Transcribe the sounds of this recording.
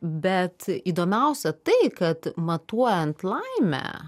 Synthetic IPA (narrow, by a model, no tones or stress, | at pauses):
bʲɛt̪iːd̪oːmʲɛʊsʲɛt̪ɐɪkɐt̪mɐt̪uɔjɛnt̪lˠɐɪmʲæ̰